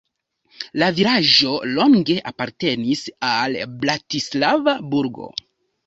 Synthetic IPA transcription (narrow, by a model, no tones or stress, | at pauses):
laviɾaʒo̞lo̞ŋɡe̞ʔapaɾte̞nisalblatislavabuɾɡo̞̰